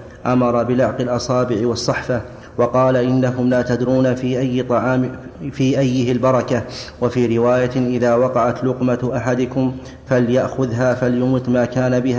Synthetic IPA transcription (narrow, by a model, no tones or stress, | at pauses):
ʔamɑɾˤɑbɪlaʕqɪlʔɑsˤɑːbɪʕɪwɑsˤːɑħfa | wɑqɑːlaʔɪnːakʊmlaːt̪ad̪ɾuːnafiːʔajːt̪ˤɑʕːfiːʔajːɪhɪlbɑɾˤɑkawafiːɾɪwaːjaʔɪðaːwɑqɑʕat̪lʊqmaʔaħad̪ʊkʊm | faljaʔxʊðɦaːfaljʊmɨt̪ˤmaːkaːnabɪha